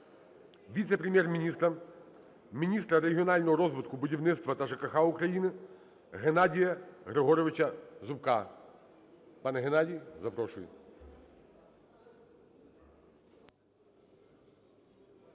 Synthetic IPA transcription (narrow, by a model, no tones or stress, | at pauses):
ʋʲit̪sɛpɾʲemʲjɛrmʲinʲist̪ɾɐ | mʲinʲist̪ɾɐɾeɦʲiɔnɑlʲnɔɦɔɾɔzʋɪt̪kʊbʊdʲiwnɪt̪st̪ʋɐt̪ɐʒekɐxaʊkɾɐjinɪ | ɦenadʲijɐɣɾeɦɔɾɔʋɪt͡ʃɐzʊpkɑ | pɑnɛɦenɑdʲijzɐpɾɔʃʊj̰